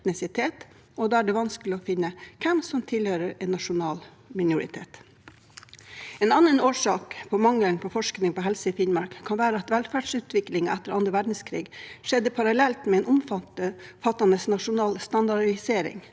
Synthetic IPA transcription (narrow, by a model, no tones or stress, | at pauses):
t̪nɪsɪt̪ʰeːt̪ | ɔd̪ɑːæɖɛʋɑnskəlɪɔfɪnːəkʰɛmsɔmt̪ʰɪlhøːɾəɾɛnːɑʂʊnɑːl | mɪnʊɾɪ̰t̪ʰḛːt̪ | eːnɑnːənoːʂɑːkpʰɔmɑŋlənpʰɔfɔʂknɪŋpɔɦɛlsəifɪnmɑɾkkʰɑnʋæːɾəɑt̪ʋælfæɖsʉːt̪ʰʋɪklɪŋɑʔæt̪ːəɾɑnd̪ɾəʋæɖɳ̩skʰɾḭːɡʂɛd̪ːəpʰɑɾɑlɛlt̪mɛɛːnɔmfɑt̪əfɑt̪ːɑnəsnɑʂʊnɑːlst̪ɑnd̪ɑɖɪseːɾɪ̰ŋ